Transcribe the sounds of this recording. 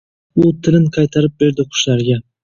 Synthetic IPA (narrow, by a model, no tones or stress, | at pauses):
ʊt̪ʰɪlɪnqʰɑjt̪ʰɑɾɪp̚be̞ɾd̪ɪqʰʊ̥ʃlaɾɡʲa